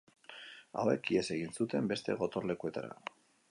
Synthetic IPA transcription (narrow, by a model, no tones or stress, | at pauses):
a̰we̞kiese̞ɣinsut̪e̞mbe̞st̪e̞ɣ̞o̞t̪o̞rle̞kue̞t̪aɾa̰